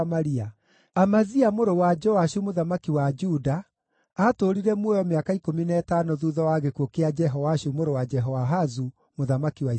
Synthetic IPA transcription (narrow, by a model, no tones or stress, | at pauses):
maɾia | amaziamoɾowad͡ʒɔaʃumoðamakiwad͡ʒudaː | toɾiɾɛmwɔjɔmeakaikominɛːtanoðuːðɔwaɣekwokead͡ʒɛɦɔwaʃumoɾowad͡ʒɛɦɔwaɦazu | moðamakiwai